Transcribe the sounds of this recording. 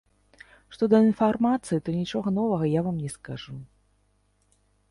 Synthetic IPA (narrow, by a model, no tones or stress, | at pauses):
ʂt̪ɔd̪ɐinfarmat̪sɨit̪ɔnʲit͡ʂɔɣɐnɔvɐɣɐjavamnʲɛskaʐu